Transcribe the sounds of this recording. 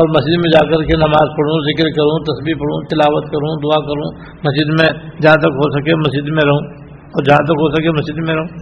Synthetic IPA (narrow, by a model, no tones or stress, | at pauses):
ɔːɾmɐsiːd̪mẽd͡ʒaːkɐɾkenɐmaːzpɐɽ̤ũzɪkɾkɐɾũt̪ɐsbiːpɐɽ̤ũt̪ɪlaːʋət̪kɐɾũd̪ʊakɐɾũː | mɐsid̪mẽd͡ʒɐɦãt̪̬ɐkɦosɐkemɐsd͡ʒid̪mẽɾɐɦũ | ɔːɾd͡ʒɐɦãt̪̬ɐkɦosɐkemɐsd͡ʒid̪mẽɾɐɦũː